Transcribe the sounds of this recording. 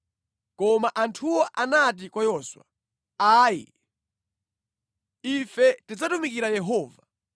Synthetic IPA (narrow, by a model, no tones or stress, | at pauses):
kɔmaʔantʰuwɔʔanat̬ikwajɔswa̰ | aːjḭ | ifɛtid͡zatumik̬iɾajɛɦɔːva